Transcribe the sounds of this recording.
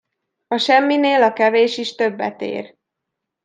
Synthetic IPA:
ɒʃɛmːineːlɒkɛveːʃiʃt̪ø̞bːɛ̰t̪ḛːr

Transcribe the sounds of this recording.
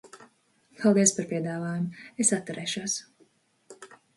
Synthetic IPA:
pʰalˠd̪iɛspaɾpiɛd̪aːvaːjumʊesat̪ːuɾɛːʃuːs

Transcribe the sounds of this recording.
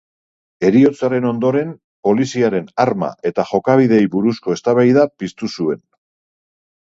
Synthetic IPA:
e̞ɾio̞t͡saɾe̞no̞nd̪o̞ɾe̞m | po̞lisiaɾe̞naɾma̰ʔe̞t̪aʝo̞kaβ̞iðe̞jβuɾusko̞e̞st̪aβajðapist̪usue̞n

